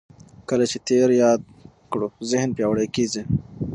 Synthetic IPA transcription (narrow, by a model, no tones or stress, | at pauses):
kəlat͡ʃet̪eɾjɑːd̪̚ | kɽozɪhnpjɑwɽejkizi